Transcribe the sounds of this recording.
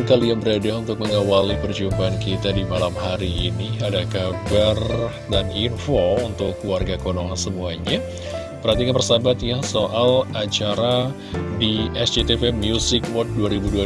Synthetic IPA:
kalianbəɾadaunt̪ʊk̚məŋawalipərd͡ʒumpaankit̪adimalamɦaɾiːniadakabar | daninfount̪ʊkːluarɡakonoŋansəmuaɲa | pərhat̪̬ikanpərsabat̪jasoʔalat͡ʃaɾa | diɛsd͡ʒet̪efemiusɪkwɔt̪̚duaɾibudua

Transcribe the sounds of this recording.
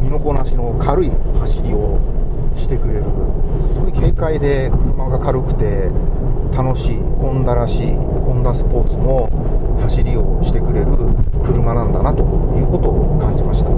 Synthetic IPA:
mʲino̞ko̞naɕino̞kʰaɾɯ̟ihaɕiɾʲio̞ | ɕi̥t̪e̞kɯ̟ɾe̞ɾɯ̟ssooike̞ːkaid̪e̞kɯ̟ɾɯ̟maɡakaɾɯ̟kɯ̟̥t̪e̞ | t̪ano̞ɕiːkõ̞nd̪aɾaɕḭː | kõ̞nd̪asɨ̥po̞ːt͡sɨmo̞ | haɕiɾʲio̞ɕi̥t̪e̞kɯ̟ɾe̞ɾɯ̟kɯ̟ɾɯ̟manãnd̪anat̪o̞jɯ̟ːko̞t̪o̞ːkãɲ̟d͡ʑimaɕi̥t̪a

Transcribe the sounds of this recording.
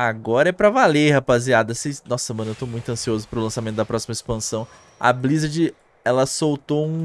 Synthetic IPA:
aɡɔɾɐɛpɾɐvalehapaziad̪ɐsenɔsɐ̥semɐ̃nɐewt̪omũj̃t̪ʊɐ̃siozʊpɾʊlɐ̃samẽt̪ʊd̪ɐpɾɔsimɐispɐ̃sɐ̃w̃ | ɐ̰blizɐd͡ʒɪ | ɛlɐsowt̪oũ

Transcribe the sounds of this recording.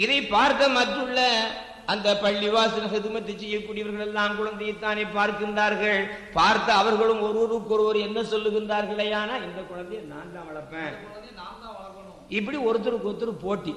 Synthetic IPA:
ɪðɐɪpaːɾt̪ɐmɐt̪ːɯɭːɐ | ɐnd̪ɐpɐɭːɪʋaːsɪnɐɣɐðɯmɐt̪ːɯt͡ʃːɛjːɐkːuːɽɪjɐʋɐɾɣɐɭɛlːãːmkʊɻɐnd̪ɐjɐt̪ːaːnepaːɾkɯɪndaːɾɣɐɭpaːɾt̪ːɐɐʋɐɾɣɐɭɯmɔɾɯɾɯkːɔɾɯʋɔɾɯɛnːɐsɔlːɯɣɪndaːɾɣɐɭɐjaːnaːɛnd̪ɐkʊɻɐnd̪ɐjɐnaːnt̪ãːʋɐɭɐpːẽːkʊɐnd̪ɐjɐnaːnt̪ãːʋɐɭɐpːɐn | ɪp̬ːɐɽiɔɾɯt̪̬ːɯɾɯkɔɾɯt̪ːɯɾɯpoːʈːi

